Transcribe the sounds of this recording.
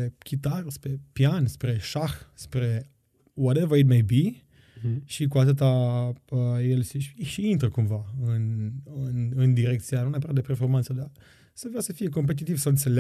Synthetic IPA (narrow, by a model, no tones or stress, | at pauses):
ekʲit̪arspɾe̞pjanspɾe̞ʃaxspɾe̞ | wɔɾevəit̪mej̚bi | ʃikuat̪ɨt̪̬aəjelseʃiint̪ɾəkumvaɨnɨnɨnd̪iɾek̚t̪sianumneapəɾad̪epe̞rfo̞rmant̪səd̪a | səveasəfije̞k̬o̞mp̬e̞t̪̬it̪ivsəɨnt̪sel